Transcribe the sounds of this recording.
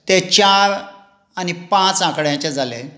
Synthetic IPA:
t̪et͡ɕaɾ | anipãt͡sãkɽjãt͡ɕad͡zʱale

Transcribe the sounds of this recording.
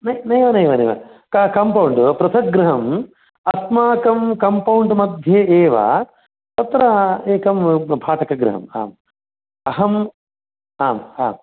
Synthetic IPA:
nɐjnɐjʋɐnɐjʋɐnɐjʋɐ̰kɐkɐmpɐwɳɖpɾɐt̪ʰɐk̚ɡɾɐɦɐm | ɐsmaːkɐmkɐmpɐwɳɖmɐd̪ʱjeːeːʋɐ̰ | t̪ɐt̪ɾɐeːkɐmbʱaːʈʰɐkɐɡɾɐɦɐ̰ma̰ːm | ɐɦɐm | aːmha̰ːm

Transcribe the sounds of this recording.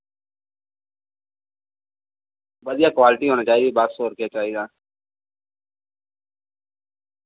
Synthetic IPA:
bəd̪ɪjaːkʋaːlɪʈiɦoːñaːt͡ʃaːɦid̪ibaːt̪soːɾkɪjat͡ʃaːɦid̪aː

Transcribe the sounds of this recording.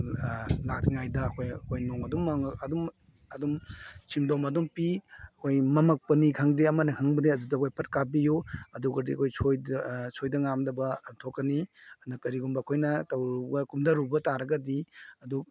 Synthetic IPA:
latŋajdɐːkʰojɐkʰojnoŋɐdumːɐŋɐdum | ɐdumsʰimdomɐdumpiɐkʰojmɐmɐk̚pɐnikʰaŋdeɐmɐnɐhʰaŋbɐdeɐdudɐɐkʰojpʰɐt̚kabijuɐduɡɐdiɐ̰kʰojsʰojsʰojdɐŋamdɐbɐtʰokːɐniɐnɐkɐɾiɡumbɐːkʰojnɐtɐwɡɐkumdɐɾubɐtaɾɐɡɐdiɐdu

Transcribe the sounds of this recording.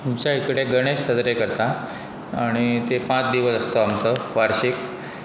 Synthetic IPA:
mt͡ɕaikɽeɡəɽ̃eɕsəd̪ɾekəɾt̪a | aɽ̃it̪epãt͡sd̪iʋəsəst̪oamt͡səʋaɾɕik

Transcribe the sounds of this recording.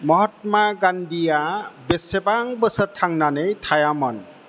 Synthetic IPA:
mɔɦɔt̚maɡandijabesebaŋbəsətʰːaŋnanɯjtʰajamɔn

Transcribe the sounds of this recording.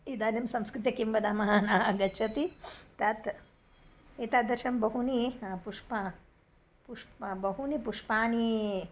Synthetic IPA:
id̪aːnɐmsɐ̃mskɾit̪jɐkimbɐd̪amɐɦaːnaːɦɐɡɐt͡ʃʰɐt̪it̪ɐt̪ | it̪ad̪ɐɾʃɐmbɐɦunipuʂpa | puʂbɐɦunipuʂpaːni

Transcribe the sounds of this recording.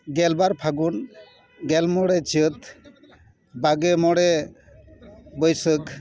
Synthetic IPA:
ɡɛlbaɾpʰaɡun | ɡɛlmɔɽɛt͡ʃɯt̪ | baɡemɔɽɛ | bəjsɯk

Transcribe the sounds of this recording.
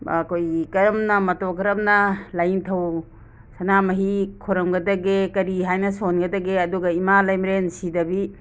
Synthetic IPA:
kʰojikɐɾɐmnɐmɐtokɐɾɐmnɐlajntʰɐw | sɐnamɐɦikʰoɾɐmɡɐdɐɡekɐɾiɦajnɐsonɡɐdɐɡeɐduɡɐimalajmɾensidɐbi

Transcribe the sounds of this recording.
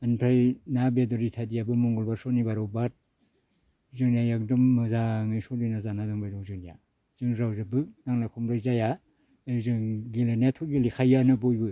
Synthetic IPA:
anpʰɾajnabedɔɾitʰadijabɯmɔŋɡɔlbaɾsɔnibaɾɔwbat̚ | zɯŋnajak̚dɔmːɯzaŋɯjsɔlinazanadaŋbajɾɔwzɯŋnija | z̥ɯŋɾawzɯbɯnaŋlakʰumɾajzaja | azɯŋɡilanatʰɔɡilikʰajːanɯbɔjbɯ

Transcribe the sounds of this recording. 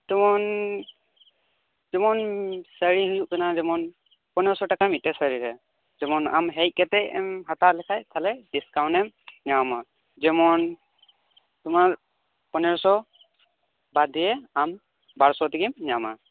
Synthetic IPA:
tumɔn | zimɔnsəɹiɦujuʔkɯnazɛmɔn | pɔnɛɹɔsɔtakamitɛsəɹiɹɛ | zɛmɔna̰mɦɛj̚kɛtɛjɦatalɛkʰajtʰalɛdiskawnɛmnawma | zɛmɔn | tʊmaɹ | pɔnɛɹɔsɔ | badijɛam | baɹsɔtikimnama̰

